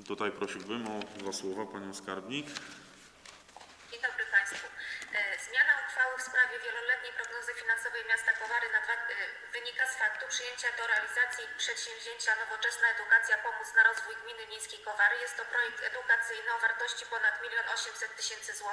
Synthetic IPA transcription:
t̪ut̪ajpɾɔɕiwbɘmɔd̪vaswɔvapaɲɔ̃w̃skaɾbɲik | d͡ʑej̃d̪ɔbɾɘpaj̃st̪fɔzmʲjanafxfawɘfspɾavʲjɛvʲjɛlɔlɛt̪̚ɲejpɾɔɡnɔzɘfʲinansɔvɛjmʲjast̪akɔvaɾɘnad̪va | vɘɲikasfak̚t̪upʂɘjeɲt͡ɕad̪ɔɾɛalʲizat̪sʲjipʂɛt̪ɕɛ̃w̃vʲʑeɲt͡ɕanɔvɔt͡ʂɛsnaɛd̪ukat̪sʲjapɔmut̪snaɾɔzvujɡmʲinɘmʲejskʲejkɔvaɾjɛst̪ːɔpɾɔjɛk̚t̪ɛd̪ukat̪sɘjnɘɔvaɾt̪ɔɕt͡ɕipɔnat̪mʲilʲjɔnɔɕɛmsɛt̪ːɘɕɛnt̪sɘzwɔ

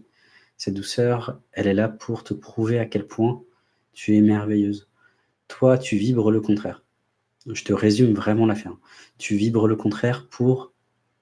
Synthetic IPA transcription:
sɛt̪̚d̪usœʁɛlɛlapʰuʁt̪əpχuveakʲɛlpʰwɛ̃ | t̪ʰyɛmɛʁvejøz | t̪wat̪ʰyvibʁələkɔ̃t̪χɛːʁ | ʒət̪əʁezymvʁɛmɑ̃lafɛʁm | t̪ʰyvibʁələkɔ̃t̪χɛʁpʰuʁ

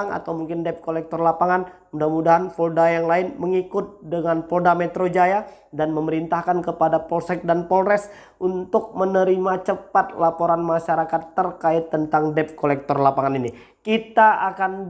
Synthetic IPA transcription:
ŋa̰t̪awmuŋkɪndɛp̚kolɛk̚t̪ɔrlapaŋanmudahmudaɦanpɔldajaŋlaɪnməŋikʊt̪̚dəŋanpɔldamɛt̪ɾod͡ʒaja | danməməɾint̪ahkankəpadapɔlsɛk̚danpɔlrɛs | unt̪ʊk̚mənəɾimat͡ʃəpat̪̚lapoɾanmaʃaɾakat̪ːərkaɪt̪ːənt̪aŋdɛp̚kolɛk̚t̪ɔrlapaŋanini | kit̪aakan

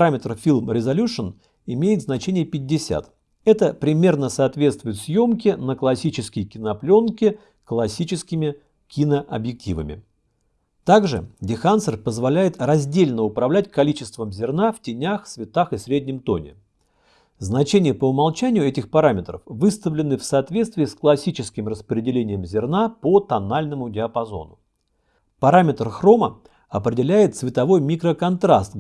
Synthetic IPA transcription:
pɾamʲɪt̪rfʲilʲˠmɾʲɪzɐlʲuʂən | ɪmʲejɪt̪znɐt͡ɕenʲɪjəpʲɪdʲːɪsʲa̰t̪ | ɛt̪əpɾʲɪmʲe̞rnəsɐːt̪vʲe̞t̪st̪vʊjɪt̪sʲjo̞mkʲɪnəklˠɐsʲit͡ɕɪskʲəjkʲɪnɐplʲo̞nkʲɪ | klˠɐsʲit͡ɕɪskʲɪmʲɪ | kʲɪnəʔɐ̰bjɪk̚tʲḭvə̰mʲɪ̰ | t̪aɡʐɨ̰dʲɪxansərpəzvɐlʲæjɪt̪rɐzʲdʲelʲnəʊpɾɐvlʲæt̚ʲkɐlʲit͡ɕɪst̪vəmzʲɪrnaftʲɪnʲaxsvʲɪt̪axɨsɾʲedʲnʲɪmt̪o̞nʲɪ̰ | znɐt͡ɕenʲɪjəpəʊmɐlˠt͡ɕænʲɪjʊɛtʲɪxpɐɾamʲɪt̪ɾə̰fvɨst̪əvlʲɪnɨfsɐːt̪vʲet̪st̪vʲɪːsklˠɐsʲit͡ɕɪskʲɪmrəspɾʲɪdʲɪlʲenʲɪjəmzʲɪrnapot̪ɐnalʲnəmʊdʲɪɐpɐzo̞̰nʊ | pɐɾamʲɪt̪rxro̞mə | ɐpɾʲɪdʲɪlʲæjɪt̪svʲɪt̪ɐvo̞jmʲikɾəkɐnt̪ɾast̪

